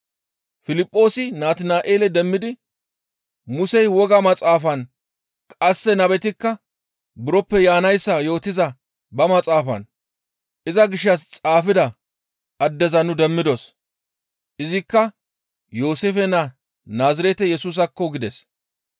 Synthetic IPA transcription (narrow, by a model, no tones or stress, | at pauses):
fɪlɪpʼːo̞ːsɪnaːt̪ɪnaːʔeːlɛd̪ɛmːɪd̪ɪ | mʊsɛjwɔɡɐmɐt͡sʼaːfɐn | kʼɐsːɛnɐbɛt̪ɪkːɐ | bʊɾɔpːɛjaːnɐjsːɐjo̞ːt̪ːɪzɐ | bɐmɐt͡sʼaːfɐ̰n | ʔɪzɐɡɪʃːɐst͡sʼaːfɪd̪ɐ | ʔɐd̪ːɛzɐnʊd̪ɛmːɪd̪ɔs | ʔɪzɪkːɐ | jo̞ːseːfɛnɐ | naːzɪɾɛt̪ɛjɛsuːs̬ɐkːɔɡɪd̪ɛs